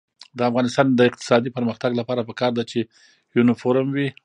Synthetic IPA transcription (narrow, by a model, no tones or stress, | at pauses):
d̪əafɣɑnɪst̪ɑnd̪əɪq̚t̪ɪ̥sɑd̪ipəɾməxt̪aɡlapɑɾapəkɑɾd̪at͡ʃe | junɪfoɾəmwi